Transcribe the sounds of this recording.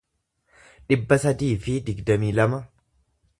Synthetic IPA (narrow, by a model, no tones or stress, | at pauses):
ᶑɪbːɐsɐd̪iːfɪd̪ɪɡd̪ɐmiːlɐmɐ